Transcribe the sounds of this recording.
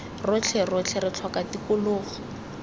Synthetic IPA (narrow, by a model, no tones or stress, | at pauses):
rʊt͡ɬʰɛrʊt͡ɬʰɛrɪt͡ɬʰwakatikʊlʊːχɔ̥